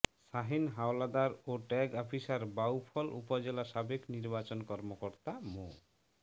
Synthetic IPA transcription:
ʃaɦinɦawlad̪aɾoʈɛɡɔpʰisaɾbawpʰɔlṵpod͡ʑelaʃabekniɾbat͡ɕonkɔɾmokoɾt̪amo

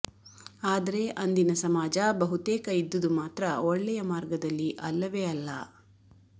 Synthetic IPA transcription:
aːd̪ɐɾe̞ʔɐnd̪inɐsɐmaːd͡ʒɐbɐɦut̪eːkɐid̪ːud̪umaːt̪ɾɐɔɭːɛjɐmaːɾɡɐd̪ɐlːiʔɐlːɐʋeɐlːɐ̰

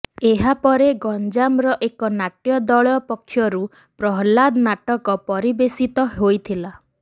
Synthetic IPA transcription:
eɦapɔɾeɡɔnd͡ʒamɾɔʔekɔnaʈjɔd̪ɔɭɔpɔkʰːjɔɾu | pɾɔɦlad̪naʈɔkɔpɔɾibesit̪ɔɦojt̪ʰila

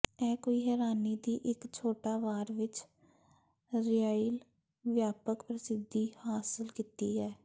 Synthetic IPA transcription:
ɛːkoːiːɦɛːɾaːniːd̪iːʔɪkt͡ʃʰoːʈaːʋaːɾʋɪt͡ʃ | ɾɪjaːiːl | ʋjaːpəkpɾəsɪd̪iːhaːsəlkiːt̪iːɦɛː

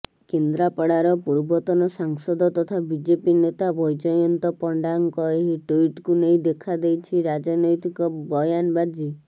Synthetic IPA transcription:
kend̪ɾapɔɽaɾɔpuɾbɔt̪ɔnɔsaŋsɔd̪ɔt̪ɔt̪ʰabid͡ʒepinet̪abɔjd͡ʒɔjɔnt̪ɔpɔɳɖaŋkɔeɦiʈuiʈkunej̃d̪ekʰad̪ejt͡ʃʰiɾad͡ʒɔnɔjt̪ikɔbɔjanbad͡ʒi

